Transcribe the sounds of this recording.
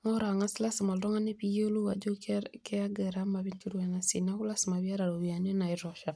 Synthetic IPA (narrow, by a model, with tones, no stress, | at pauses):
ŋɔ˦ɾa˨ŋa˦si˦la˦si˨ma˨ldɔ˦ŋa˦ne˦pi˦jo˦lo˦wa˨d͡ʒo˦kkɛ˦a˦ɡɛ˨ɾa˦ma˨βi˦nki˦ɾwa˨na˨sḭ˨na˦ku˦la˦sma˨βi˦a˦ɾa˨ɾo˨wia˨ne˦na˨iɾɔ˨ʃa˨